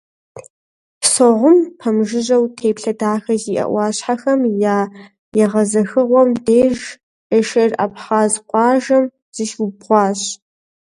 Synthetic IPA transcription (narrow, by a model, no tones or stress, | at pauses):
psoʁʷʊmpʰɐmʒɪʑɐwtʰeːpɬɐdaːxɐziːʔɐ̰ʔʷɑːɕħaxɐmjaː | jɛʁɐzɐxɨʁʷɔmdeːʒ | ʔɪʃɐrapχaːzqʷɑːʒɐm | z̥ɨʃwubʁʷɑːɕ